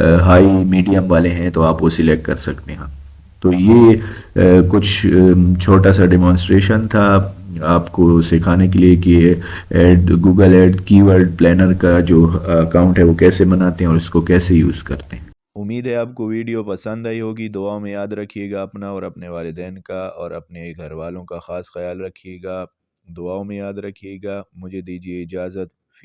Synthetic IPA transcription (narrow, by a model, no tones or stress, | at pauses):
ɦaːimiːɖijəmʋaːleɦɛ̃t̪oaːpʋosɪlɛʈkɐɾsɐkt̪eɦɐ̃m | t̪oːjeː | kʊt͡ʃʰt͡ʃʰoːʈasaɖɛmɔ̃ːnsʈɾeːʃənt̪ʰaaːpkosekʰaːnek̬elieki | eːɖɡuːɡəlɛːɖkiːʋəɾɖplɛːnəɾkad͡ʒoːɐkaːʊ̃ɳʈɦɛʋokɛːsebɐnaːt̪eɦɛ̃ɔːɾɪskokɛːsejṵːzkɐɾt̪eɦɛ̃ː | ʊmːiːd̪ɦɛaːp̚koʋiːɖijopɐsə̃nd̪aːiɦoːɡid̪ʊaːõmẽjaːd̪ɾɐkʰːijeːɡaɐpnaɔːɾɐpneʋaːlɪd̪ɛːnkaɔːɾɐpneɡʱɐɾʋaːlõkaxaːsxɐjaːlɾɐkʰijeːɡaː | d̪ʊaːomẽjaːd̪ɾɐkʰieːɡaːmʊd͡ʒʱed̪iːd͡ʒieɪd͡ʒaːzət̪̚